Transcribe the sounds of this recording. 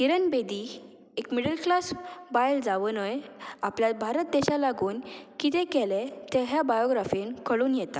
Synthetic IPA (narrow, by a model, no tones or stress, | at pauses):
iɾənbed̪i | ekmiɽəlklasbajld͡zaʋənəjapljat̪̚bʱaɾət̪̚d̪eɕalaɡuːnkit̪ɛ̃kɛlet̪ɛɦjabajoɡɾafinkʰəɭuːnjɛt̪a